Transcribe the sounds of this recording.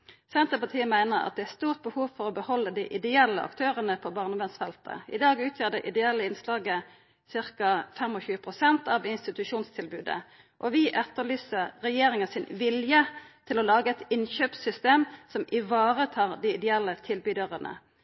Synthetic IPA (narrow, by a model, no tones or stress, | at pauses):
sɛnt̪ʁəpɑʁt̪ʰiːəmæɪnəʁɑ̰t̪̚d̪ɛæst̪uːʁt̪̚bəhuːʋfɔʁɔbəhɔlːəd̪ɪʔɪd̪ɛɛlːəʔɑ̰kt̪ʰøːʁənəpʰɔbɑːʁnəʋɛnsfɛlt̪ə̰ɪ̰d̪ɑːɡʉːt̪ʰjæd̪əʔɪ̰d̪ɛɛlːəɪnslɑːɡə | sɪʁkɑfɛmɔçʉːəpʰʁʊsɛnt̪ɑʋɪnst̪ɪt̪ʉʃuːnst̪ʰɪlbʉːd̪ə̰ | ʔɔʋɪʔɛt̪ːəlyːsəʁʁɛjeːʁɪŋɑsɪnʋɪljət̪ʰɪlɔlɑːɡəɛt̪ɪnçøːpsʏst̪eːmsɔmʔɪʋɑːʁət̪ʰɑːʁd̪iɪd̪ɛɛlːət̪ʰɪlbyːd̪əʁənʔə̰